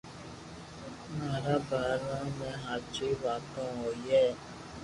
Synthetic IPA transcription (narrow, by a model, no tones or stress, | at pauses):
maːɾaːbaːlãːmẽːɦaːt͡ʃʰiːʋaːt̪õːɦoːieː